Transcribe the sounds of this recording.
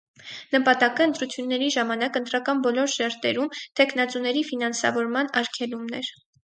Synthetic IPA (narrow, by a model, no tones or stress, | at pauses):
nəpɑt̪ɑkəən̪t̪ɾut͡sʰjunːɛɾiʒɑmɑnɑkənt̪ɾɑkɑnbɔlɔɾʃɛɾt̪ɛɾumt̪ʰɛkʰn̪ɑt͡sunɛɾifinɑnsɑ̰vɔɾmɑnɑɾkʰɛlumnɛɾ